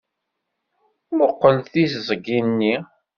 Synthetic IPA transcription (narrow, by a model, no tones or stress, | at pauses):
moqːəlθiszˤəɡinːi